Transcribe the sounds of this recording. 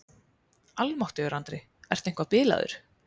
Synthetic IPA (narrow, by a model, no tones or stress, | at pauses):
almɔht̪ʏɾant̪ɾɪ | ɛ̰r̥t̪ejŋ̥kvapɪːla̰ðʏ̰ɾ̥